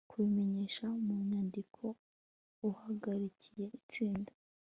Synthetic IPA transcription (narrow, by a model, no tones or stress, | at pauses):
kuβime̞ɲe̞ːʃamuɲaːndikʰo̞ | uhaɡaɾicʰi̥je̞ʔit͡siːndḁ